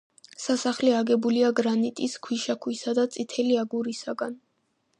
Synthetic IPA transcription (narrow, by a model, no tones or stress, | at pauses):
sasaχliaɡɛbuliaɡɾanit̪ʼiskʰwiʃakʰwisad̪at̪sʼit̪ʰɛliaɡuɾisaɡan